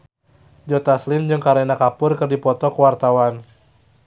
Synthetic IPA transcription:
d͡ʒɔt̪aslɪmd͡ʒɨŋkaɾenakapʊrkɨrdipɔt̪ɔkəwart̪awan

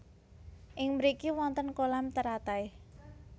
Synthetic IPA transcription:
ʔɪŋməɾikiwɔnt̪ənkolamt̪əɾat̪aj

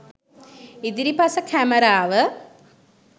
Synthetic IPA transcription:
id̪iɾipasəkʰæməɾaːʋə

